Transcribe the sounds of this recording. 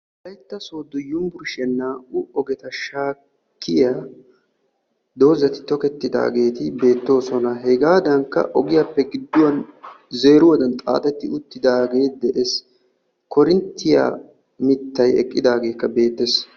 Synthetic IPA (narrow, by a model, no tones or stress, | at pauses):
bɐjt̪ːɐsoːd̪ʊjʊmbʊɾʃɛnːaːʔʊɔɡɛt̪ɐʃaː | kːɪjaː | d̪o̞ːzɐt̪ɪ̥t̪ɔkɛt̪ːɪd̪a̰ːɡe̞ːt̪ɪbe̞ːt̪ːo̞ːsɔnɐɦɛɡaːd̪ɐŋkːɐ̰ʔɔɡɪjɐpːɛɡɪd̪ːʊwɐn | ze̞ːɾʊwɐd̪ɐnt̪ʼa̰ːt̪ɛt̪ːɪʊt̪ːɪd̪aːɡe̞ːtd̪ɛʔes | kɔɾɪnt̪ːɪja̰ː | mɪt̪ːɐjɛ̰kʼːɪd̪aːɡe̞ːkːɐbe̞ːt̪ːes